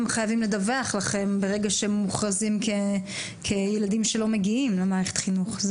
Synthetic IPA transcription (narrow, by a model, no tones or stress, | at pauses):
mχajavimle̞d̪aveaχlaχe̞mbe̞ʁe̞ɡaʃemːuχʁazimkʰe | kʰejeladimʃe̞lo̞me̞ɡiimlemaːʁeχe̥t̪χinuχz